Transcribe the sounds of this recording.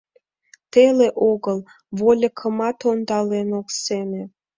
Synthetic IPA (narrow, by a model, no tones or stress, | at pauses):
t̪eleʔoɣəl | βolʲəkʰəmɑt̪ond̪ɑlenokseme